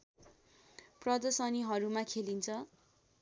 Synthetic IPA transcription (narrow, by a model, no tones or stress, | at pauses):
prʌd̪ʌsʌniɦʌɾumakʰelint͡sʰʌ